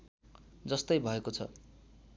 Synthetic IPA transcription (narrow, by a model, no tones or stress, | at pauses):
d͡zʌst̪ʌjbʱʌekot͡sʰʌ̰